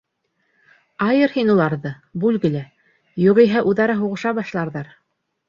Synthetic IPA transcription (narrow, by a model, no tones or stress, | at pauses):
ɑjɤɾhinulˠɑɾðɤ | bʉlɡɘ̆læ | juʁiɦæʔuðɑɾɑɦuʁɤ̆ʃɑbɑʃlˠɑɾðɑɾ